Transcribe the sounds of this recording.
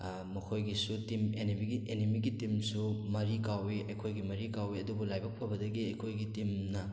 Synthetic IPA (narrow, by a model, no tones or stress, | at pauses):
mɐkʰojɡisutimenibiɡiʔenimiɡitimsumɐɾikawiɐjkʰojɡimɐɾikawiɐdubulajbɐk̚pʰɐbɐdɐɡiɐjkʰojɡitimnɐ